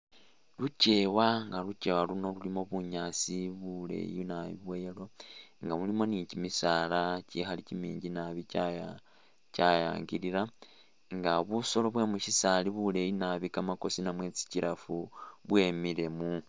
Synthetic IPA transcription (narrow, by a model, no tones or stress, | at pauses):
luce̞waŋɡaluce̞waluno̞lulimo̞βuɲaːsiβule̞̰jinaβḭβwelo̞ŋɡamulimo̞nicimisaːlacixalicimiːɲɟinaβicaja | caja̰ːŋɡiɾiɾa | ŋɡaβuso̞lo̞βwe̞ːmuʃisaliβule̞jinaβikamako̞sinamwe̞ːt͡si̥ciɾafuβwe̞mile̞mu